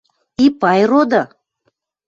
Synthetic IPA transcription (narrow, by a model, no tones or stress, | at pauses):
ipɑjrod̪a